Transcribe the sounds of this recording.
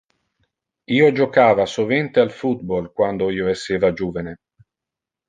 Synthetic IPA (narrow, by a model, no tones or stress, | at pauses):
iːod͡ʒokaːvasovent̪ealfut̪̚bolkwand̪oiːoesːeːvad͡ʒuːvene